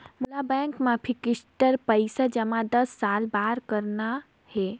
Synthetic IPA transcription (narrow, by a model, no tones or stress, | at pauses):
mulabɛ̃ŋkmãpʰikɪsʈəɾpəɪsad͡ʒəmãd̪əsːalbaɾkəɾna | he